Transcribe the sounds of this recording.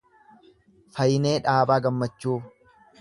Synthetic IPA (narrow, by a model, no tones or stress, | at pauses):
fɐjɪne̞ːᶑaːbaːɡɐmːɐt͡ʃːuː